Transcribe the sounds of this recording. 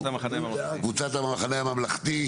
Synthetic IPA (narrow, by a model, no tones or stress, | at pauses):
t̪amaanemkvut͡sat̪amamaχaneamamlaχt̪i